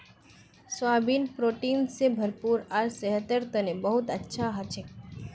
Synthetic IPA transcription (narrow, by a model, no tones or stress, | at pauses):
sʋabinpɾoʈinsebʱəɾpuːɾaɾsəɦət̪əɾt̪ənebəɦut̪ətːʃʰaɦət͡ʃʰe